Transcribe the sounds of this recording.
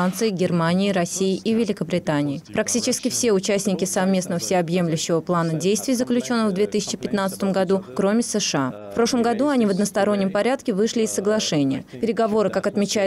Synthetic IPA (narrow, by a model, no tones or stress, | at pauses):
ant̪sɨɪɡʲɪrmanʲɪːɾɐssʲːijɪʔivʲɪlʲɪkəbɾʲɪt̪anʲɪːɪpɾɐktʲit͡ɕɪskʲɪfsʲe̞ʊt͡ɕæsʲnʲɪkʲɪsɐvmʲe̞snəvəfsʲɪɐbje̞mlʲʉɕːɪvəplˠanədʲejst̪vʲɪjzəklʲʉt͡ɕo̞nːəxvd̪vʲe̞t̪ɨsʲɪ̥t͡ɕɪpʲɪt̪nat̪sə̥t̪əmɡɐd̪ukɾo̞mʲɪsɛʂɨafpɾo̞ʂlˠəmɡɐd̪uɐnʲivəd̪nəst̪ɐɾo̞nʲːɪmpɐɾʲat̪kʲɪvɨʂlʲɪːsːəɡlˠɐʂɛnʲɪjə̰pʲɪɾʲɪɡɐvo̞ɾɨkakɐt̪mʲɪt͡ɕæjʊ